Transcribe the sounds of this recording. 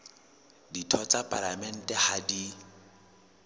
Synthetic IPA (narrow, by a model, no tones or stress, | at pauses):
ditʰɔt͡sʼapʼalamɛn̩tʼɛhadi